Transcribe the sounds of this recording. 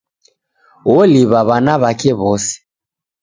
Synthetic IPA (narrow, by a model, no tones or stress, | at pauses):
wɔliβaβanaβakɛβɔsɛ̥